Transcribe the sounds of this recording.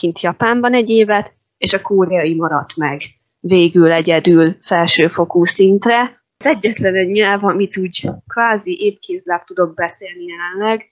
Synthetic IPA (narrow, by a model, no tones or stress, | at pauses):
kint̪jɒpaːmbɒnɛɟːeːvɛt̪ | eːʃɒkoːɾɛɒimɒɾɒt̪mɛɡ | veːɡylɛɟɛd̪ylfɛlʃøːfo̞kuːsint̪rɛ | zɛɟːɛt̪lɛnɛɟɲɛlvɒmit̪uːɟkvaːziʔeːpkeːzlap̚t̪ud̪o̞ɡ̚bɛseːlnijɛlɛnlɛɡ